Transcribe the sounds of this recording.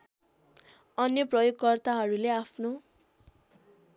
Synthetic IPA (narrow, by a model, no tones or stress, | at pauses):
ʌnjʌprʌjoɡ̚kʌrt̪aɦʌɾuleapʰno